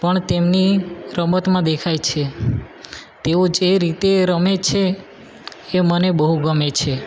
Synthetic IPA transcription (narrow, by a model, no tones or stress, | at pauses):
pəɳt̪emniɾəmət̪mãd̪ekʰajt͡ʃʰe | t̪eod͡ʒeɾit̪eɾəmet͡ʃʰeː | mənebəɦuɡəmet͡ʃʰe